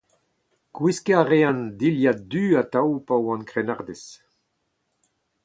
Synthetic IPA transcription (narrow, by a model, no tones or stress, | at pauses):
kwiskeaʁeãnd̪iljat̚d̪yat̪awpawɑ̃nkʁenaʁd̪es